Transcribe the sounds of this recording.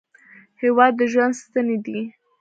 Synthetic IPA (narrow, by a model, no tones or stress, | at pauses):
hewɑd̪ːəʒwand̪st̪aned̪i